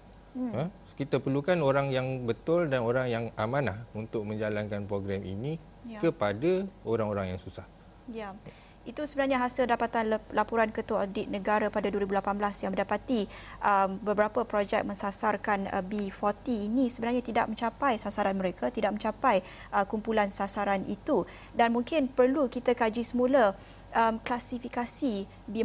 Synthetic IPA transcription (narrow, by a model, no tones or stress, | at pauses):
ə | kit̪apərlukanoɾaŋjaŋbət̪ʊldanoɾaŋjaŋamãnlahunt̪ʊk̚mə̃ɲd͡ʒalankanpɾoɡɾɛmḭnĩ | akəpadaoɾaŋoɾaŋjaŋsusah | ja | it̪usəbənarɲaɦasildapat̪anlapuɾankət̪uwaodɪʔ̪̚nə̃ɡaɾapadaduəɾibulapanblasjãŋmə̃ndapat̪iʔəmbəbəɾapəpɾod͡ʒɛk̚mə̃nsasarkanə̰bifɔt̪iːnisəbənarɲat̪ida̰ʔ̚mə̃ɲt͡ʃapajsasaɾanməɾekʰat̪idak̚ʔmə̃ɲt͡ʃapaj | ʔəkumpulansasaɾanḭt̪u | danmuŋkɪnpərlukit̪akad͡ʒisəmulə | ʔəmklasifikasi | bi